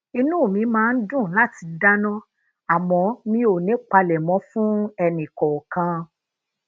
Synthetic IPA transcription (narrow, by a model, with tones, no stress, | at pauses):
i˧nũ˦˨mĩ˨˦mãː˦˧n̩˦dũ˦˨la˦ti˨˧da˦nɔ̃˦ | a˨mɔ̃˧˦mĩ˦o˨nẽ˨˦k͡pa˧lɛ˨mɔ̃˨˦fũ˦ɛ˧nĩ˨kɔ˨kã˨˧